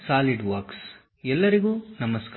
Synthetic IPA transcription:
saːliɖʋɐɾks | ɛlːɐɾiɡuːnɐmɐsk

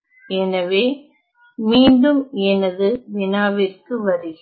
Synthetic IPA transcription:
ɛnɐʋeː | miːɳɖɯmɛnɐðɯʋɪnaːʋɪrkɯʋɐɾɯɣ

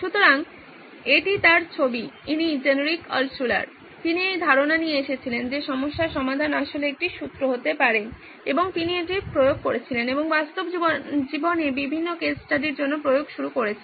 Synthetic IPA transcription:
ʃut̪oɾaŋ | eʈit̪aɾt͡ɕʰobiinid͡ʑenoɾikɔ̰lsula̰ɾ | t̪iniejd̪ʱaɾonanieeʃet͡ɕʰilend͡ʑeʃɔmoʃːaɾʃɔmad̪ʱanaʃoleek̚ʈiʃut̪ːɾoɦot̪epaɾen | eboŋt̪inieʈipɾojoɡ̚koɾet͡ɕʰileneboŋbast̪obid͡ʑibonebibʱinːokesʈaɖiɾd͡ʑonːopɾojoɡʃuɾukoɾet͡ɕʰe

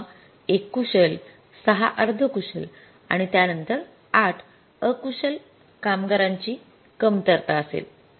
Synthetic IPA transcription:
ekːuɕəl | səɦa̰ʔəɾd̪ʱəkuɕəl | a̰ɽ̃it̪janənt̪əɾ | aʈʰ | əkuɕəl | kamɡəɾaɲt͡ɕiː | kəmt̪əɾt̪aəsḛl

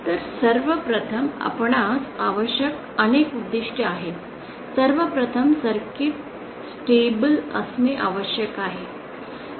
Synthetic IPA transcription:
t̪əɾsəɾʋəpɾət̪ʰəma̰pɳasaʋəɕjək | ənekud̪ːiʂʈʰəaɦe | səɾʋəpɾət̪ʰəmsəɾkit̪ | sʈebələ̰smiʔa̰ʋəɕjəkaɦe

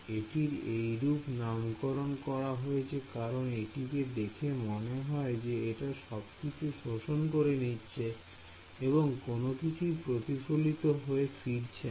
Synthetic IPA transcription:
eʈiɾejɾupnamkoɾonkɔɾaɦoet͡ɕʰekaɾoneʈiked̪ekʰemoneɦɔed͡ʑeeʈaʃɔbkit͡ɕʰuʃoʃonkoɾenitːɕʰe | eboŋkonokit͡ɕʰupɾot̪ifolit̪oɦoefiɾt͡ɕʰe

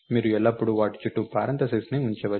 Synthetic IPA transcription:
miːɾuɛlːɐpːuɽuʋaːʈi̥t͡ʃːuʈːupaːɾɐnt̪ɐsesneuɲt͡ʃɛːʋɐ

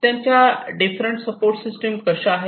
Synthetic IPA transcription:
t̪jãɲt͡ɕjaɖifɾəɳʈsəpoɾʈsisʈəmkəɾɕaːɦe

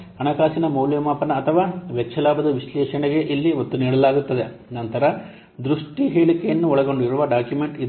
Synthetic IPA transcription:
ɐɳɐkaːsinɐmɐwljɐmaːpɐnɐːt̪ʰɐʋaːʋeːɐlaːbɐd̪ɐʋiʃlɛːʃɐɳɛɡe̞ʔilːiot̪ːuniːɽɐlaːɡut̪ːɐd̪e̞nɐnt̪ɐɾɐ | d̪ɾuʂʈiɦeːɭikejɐnːuɔɭɐɡo̞ɳɖiɾuʋɐɖaːkjume̞ɳʈid̪

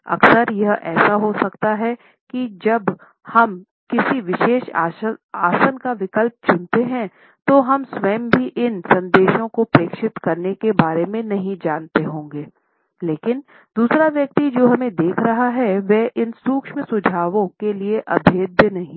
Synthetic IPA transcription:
ɐ̰ksəɾjɐɦʔɛːsaɦosɐkt̪aɦɛ | kid͡ʒɐb | hɐm | kɪsiʋɪʃeːʃ | aːsənkaʋɪkəlp̚t͡ʃʊ̃nt̪eɦɛ̃ | t̪oɦɐmswɛːmbʱiʔɪnsɐ̃nd̪eːʃõkopɾeːkʃɪt̪kɐɾnekebaːɾemẽnɐɦĩd͡ʒaːnt̪eɦõːŋɡeː | leːkɪn | d̪uːsɾaʋjɐk̚t̪id͡ʒoːɦɐmẽd̪eːkʰɾɐɦaɦɛʋɛʔɪnsuːkʃmẽsʊd͡ʒʱaːʋõkelieʔɐbʱeːd̪ʱjənɐɦĩ

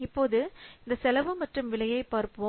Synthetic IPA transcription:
ɪpːoːðɯɪnd̪ɐsɛlɐʋɯmɐʈrɯmʋɪlɐjɐɪpaːɾpɯõː

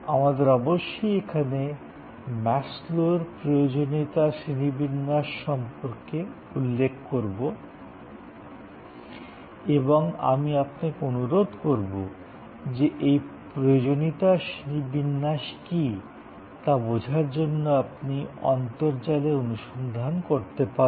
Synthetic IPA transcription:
amad̪eɾɔboʃːojekʰane | mɛsloɾpɾojod͡ʑonit̪aʃinibinːaʃːɔmpoɾke | ulːekʰkoɾbo | eboŋa̰miap̚nakonuɾod̪ʱkoɾbo | d͡ʑeʔejpɾojod͡ʑonit̪aʃinibinːaʃki | t̪abod͡ʑʱaɾd͡ʑonːoapniɔ̰nt̪oɾd͡ʑaleonuʃond̪ʱankoɾt̪epa

